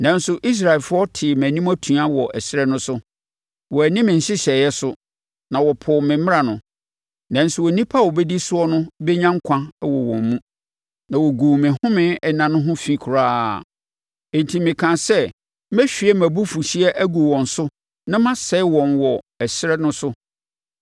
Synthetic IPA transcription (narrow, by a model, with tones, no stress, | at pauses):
nã˨n˦sʊ˦ʔi˦s̬ɾa˨ɛ˨lfʊ˦ɔ˦tʰɪ˨mæ̃˨nĩ˦mæ˦tʰũ˨˦a˦wɔ˨ʔæ˨sɪ˦ɾɛ˦nʊ̃˦sʊ˦ | wɔ˨æ˨nɪ̃˦mɪ̃˨n̩˨ɕɪ˦ɕɛ˨jɛ˦sʊ˦ | nã˨wɔ˨pʰɔ˨mɪ̃˨mɪ̃˦a˨nʊ̃˨ | nã˨n̩˦sʊ˨wɔ˨nĩ˦pʰa˦˨wɔ˨bɛ˦di˦sʊ˦ɔ˦nʊ̃˦bɛ˦ɲã˦ŋ̩˦kʷʰã˦wɔ̰˨wɔ̰̃˨m˦mũ˦ | nã˨wɔ˨ɡuː˨mɪ̃˨hʊ̃˦mɪ̃˦nɛ˨nã˨nʊ̃˦ɦʊ̃˦fĩ˦kʰʊ˨ɾaː˦˨ | ẽ˨n˨tʰi˨mɪ̃˨kʰã˨sɛ˦ | mæ˦ɕᶣi˨ɛ˦mæ̃˨bu˦fu˨ɕi˦ɛ˦ʔæ˦ɡu˨wɔ̃˨n̩˨sʊ˦ | nã˦mã˦sɛ˦wɔ̃˨nwɔ˨ | æ˨sɪ˦ɾɛ˦nʊ̃˦sʊ˦